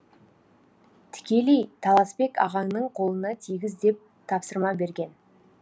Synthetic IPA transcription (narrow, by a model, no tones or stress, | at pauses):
t̪ʰɪ̥kʲe̞lejt̪ʰɑlˠɑspe̞kɑ̰ʁɑɴnəɴqʰo̞lˠənɑt̪ʰijɡʲɪzd̪e̞p̚ | t̪ʰɑpsəɾmɑbe̞ɾɡʲe̞n